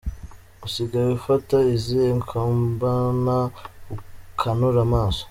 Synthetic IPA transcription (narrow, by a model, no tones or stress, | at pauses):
usiɡaβifataizeŋkʰambanaukʰanoɾamaːso̥